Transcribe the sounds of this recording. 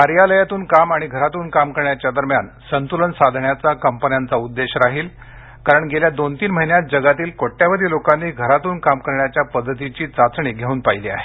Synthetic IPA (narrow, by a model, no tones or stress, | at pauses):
ɦaɾijaləjat̪uːnkamaɽ̃iɡʱəɾat̪uːnkamkəɾɳjat͡ɕjad̪əɾmjansənt̪ulənsad̪ʱɳjat͡sakəmpənjant͡saud̪ːeɕəɾaɦiːl | kaɾəɳɡʱeljad̪ont̪iːnməɦinjat̪̚d͡ʑəɡat̪iːlkoʈːjaʋəd̪ʱiːlokanːiːɡʱəɾat̪uːnkamkəɾɳjat͡ɕjapəd̪ʱːət̪it͡ɕiːt͡sat͡sɳiːɡʱeuːnpailiːa̰ɦe